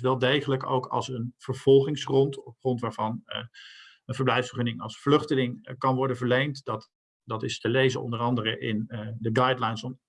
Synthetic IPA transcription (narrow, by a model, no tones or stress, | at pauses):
ʋɛlˠdejχələko̰wkɑ̰lˠsənv̥əɹv̥ɔlˠχɪŋsrɔntɔpχrɔntʋaːɹvɑn | ənvəɹblɛjfsfəχɵnɪŋɑlˠsflʏχtəlɪŋkɑnʋɔɹdənvəɹlejntdt | d̥ɑtɪstəlejzəɔ̰ndərɑndəɾəʔɪndəɡɑjdlajnsɔ